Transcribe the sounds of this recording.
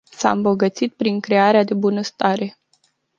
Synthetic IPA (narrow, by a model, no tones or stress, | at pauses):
saɨmbo̞ɡət̪sit̪̚pɾiŋkɾe̞aɾead̪e̞bunəst̪aɾe̞